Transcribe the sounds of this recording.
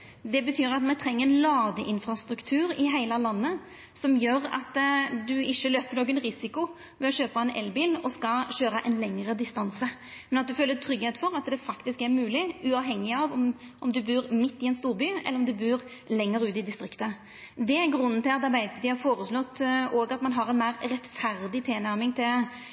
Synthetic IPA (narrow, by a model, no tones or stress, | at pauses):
d̪ɛbət̪ʰyːɾɑt̪mɛt̪ʰɾɛŋːəɾɛnlɑːɡ̪əʔɪnfɾɑst̪ɾʉkt̪ʰʉːɾɪɦæɪləlɑnːə | sɔmjøːɾɑ̰t̪d̪ʉɪʃːəløːpəɾnoːɡənɾɪsɪkʊ | ʋɛɔɕøːpɑɛnʔɛ̰lbiːlɔskɑɕøːɾəʔɛ̰nlɛŋəɾəd̪ɪst̪ɑnsəmɛnɑt̪̚d̪ʉføːlːət̪ʰɾʏɡheːt̪fɔɾɑt̪̚d̪ɛfɑkt̪ɪskæɾmʉːlɪʉɑːʋɦɛŋːɪɑʋɔmʔɔmd̪ʉbʉːɾmɪt̪ːɪɛnst̪uːʁbyːɛ̰lːəɾɔmd̪ʉbʉːɾ | lɛŋːəɾʉːt̪ɪd̪ɪst̪ɾɪkt̪ə | d̪ɛæɾɡɾʉnːənt̪ʰɪlɑt̪ɑɾbæɪd̪̚pd̪ɪhɑɾfoːɾəslɔt̪ːoːɡɑt̪mɑnɦɑɾɛnmæɪɾɾɛt̪fæɾd̪ɪt̪ʰɪːnæɾmɪŋt̪ʰɪl